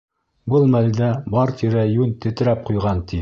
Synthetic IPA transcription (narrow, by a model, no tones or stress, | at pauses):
bɤlˠmæld̪æbɑɾt̪ʰiɾæjʉnt̪ɘ̆t̪ɘ̆ɾæp̚qujʁɑnt̪ʰi